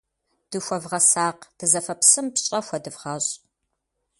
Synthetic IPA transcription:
d̥ɨxʷɐvʁɐsaːqd̥ɨzɐfɐpsɨmpɕʼɐxʷɐdɨvʁɐɕʼ

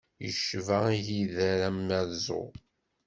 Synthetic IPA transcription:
jəʃvæjiðæɾæmːæɾzʊ̰

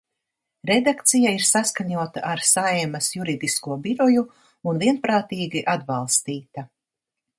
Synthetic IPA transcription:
ɾɛd̪akt̪sijaiɾsaskaɲuɔt̪a̰ʔaɾsajɛmɐsjuɾid̪iskuɔbiɾɔju | unviɛnpɾaːt̪iːɡiʔad̪balˠst̪iːt̪a

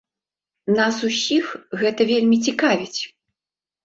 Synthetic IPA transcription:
nasusʲixɣɛt̪ɐvʲelʲmʲit͡sʲikavʲit͡sʲ

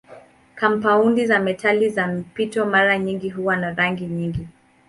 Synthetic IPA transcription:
kampaundizamɛtʰalizamipitɔmaɾaɲiŋɡiɦuwanaɾaŋɡiɲiŋɡi

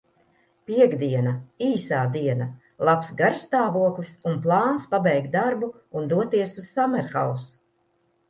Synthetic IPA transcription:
piɛɡd̪iɛnaiːsaːd̪iɛna | lˠapsɡaɾst̪aːvuɔklˠisunplˠɑːnspabɛjkt̪̚d̪aɾbu | und̪uɔt̪iɛsuz̥samɛɾxawsu̥

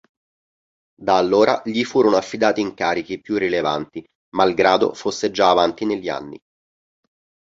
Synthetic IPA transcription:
d̪aːlːoːɾa̰ʎifuːɾonoafːid̪aːt̪iːŋkaːɾik̟ipjurːilevant̪i | malɡɾaːd̪o̰fosːed͡ʒaːvant̪ineʎːia̰nːḭ

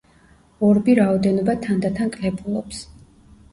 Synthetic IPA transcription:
ɔɾbiɾaɔd̪ɛnɔbat̪ʰand̪at̪ʰankʼlɛpʰulˠɔps

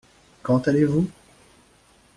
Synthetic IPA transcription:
kɑ̃t̪alevu

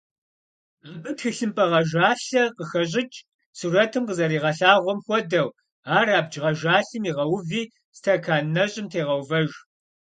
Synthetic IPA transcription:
bɨtxɨɬɨmpʼɐʁɐʒaːɬɐqəxɐɕ̬ʼɪt͡ʃʼ | suːrɐtʰɨmqəzɐɾiːʁɐɬaːʁʷɔmxʷɔdɐw | aːraːb̚d͡ʒʁɐʒaːɬɨmiːʁɐwviː | stʰɐkʰaːnnɐɕʼɪmtʰeːʁɐwvɐʒ

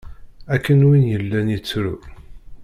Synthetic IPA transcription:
ækːənwinjəlːænjit͡sːɾṵ

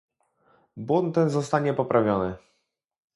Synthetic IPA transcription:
bwɔnt̪t̪ːɛnzɔst̪aɲɛpɔpɾavʲjɔnɘ

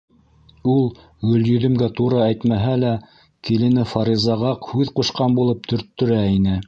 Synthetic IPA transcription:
ulˠ | ɡɵ̆ljɵ̆ðɵ̆mɡæt̪uɾɤæjt̪mæɦælæ | kilɘ̆nɘfɑɾizɑʁɑqhʉðquʃqɑnbulˠɤp̚t̪ʰɵ̆ɾt̪ːɵ̆ɾæinɘ

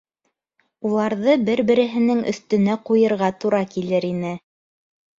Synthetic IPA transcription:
ulˠɑɾðɤbɘɾbɘ̆ɾɘ̆ɦɘ̆nɘŋɵ̰̆θt̪ɵ̆næqujɤ̆ɾʁɑt̪uɾɑkilɘɾinɘ

